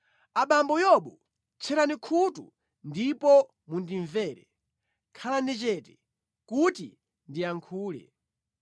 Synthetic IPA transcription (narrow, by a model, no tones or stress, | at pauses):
aɓambɔjɔɓɔ | t͡ʃʰɛɾanikʰutṵ | ndipɔ | mundiɱvɛːɾɛ | kʰalanɛt͡ʃɛtɛ̥ | kutḭ | ndiaŋkʰuːlɛ̰